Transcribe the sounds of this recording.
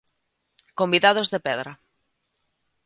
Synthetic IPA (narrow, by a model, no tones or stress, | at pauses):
kombiðað̞ozðepɛðɾa